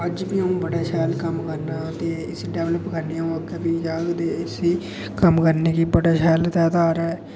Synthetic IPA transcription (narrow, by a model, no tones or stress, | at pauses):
əd͡ʒpiːɦəũːbəɽaːʃʰɛːlkəmkəɾnaːt̪eːɪsiːɖɛːʋləpkəɾnijãːəkebiːd͡ʒaːɡd̪eːɪsiː | kəmkəɾneːkiːbəɽaːʃʰɛːlt̪ɛːd̪aːɾaːɛː